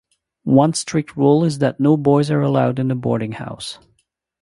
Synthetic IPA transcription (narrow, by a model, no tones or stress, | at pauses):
wʌ̃nstʰɹ̥ɪk̚t̚ʰɹulˠɪzðɨtⁿnoʊbɔɪzə˞əlaʊdɨ̃nðəbɔ̰ɹɾɪ̃ŋha̰ʊs